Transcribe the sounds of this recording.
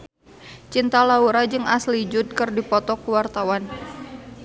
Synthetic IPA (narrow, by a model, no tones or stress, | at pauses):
t͡ʃint̪alauɾad͡ʒɨŋaslid͡ʒʊt̪̚kɨrdipɔt̪ɔkuwart̪awan